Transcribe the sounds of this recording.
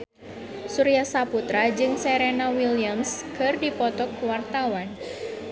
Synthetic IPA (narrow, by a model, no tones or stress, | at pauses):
suɾiasaput̪ɾad͡ʒɨŋsɛɾenawiliamskɨrdipɔt̪ɔkwart̪awan